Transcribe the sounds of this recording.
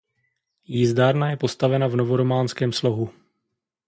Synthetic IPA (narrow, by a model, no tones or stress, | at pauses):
jizdaːɾnajɛpo̞st̪avɛnavno̞vo̞ɾo̞maːnskɛːmslo̞ɦu